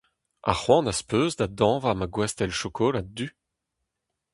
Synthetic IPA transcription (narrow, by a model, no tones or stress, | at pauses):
a̰χwɑ̃naspøːzd̪ad̪ɑ̃ːvamaɡwɛst̪ɛlʃɔkʰɔlad̪y